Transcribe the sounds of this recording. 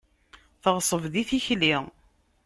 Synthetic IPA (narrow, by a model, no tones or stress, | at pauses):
θəʁsˤəvðiθiçli